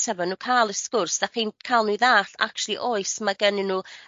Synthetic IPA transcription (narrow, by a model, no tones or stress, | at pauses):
tʰɛvɔnuːkʰajlˠɪskʊrsd̥afinkʰaːlˠnwiðaːɬa̰k̚t͡ʃʰulˠiʔoɨsmaɡənɪnuː